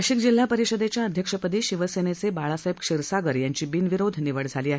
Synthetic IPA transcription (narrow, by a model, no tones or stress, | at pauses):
ɕikd͡ʑil̤ːapəɾiɕəd̪et͡ɕjaəd̪ʱjəkʂəpəd̪iːɕiʋəsenet͡sebaɭasaɦibkʂiɾsaɡəɾjaɲt͡ɕiːbinʋiɾod̪ʱniʋəɽd͡zʱaliːaɦe